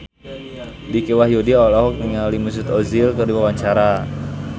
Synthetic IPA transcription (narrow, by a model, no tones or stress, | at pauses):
dikewahjodiɔlɔɦɔk̚niŋalimus̬ut̪ɔzilkərdiwawaɲt͡ʃaɾa